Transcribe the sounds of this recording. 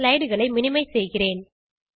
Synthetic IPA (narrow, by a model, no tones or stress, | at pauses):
lɐɪɽɯɣɐɭɐɪmɪnɪmɐɪsɛjɣɪreːn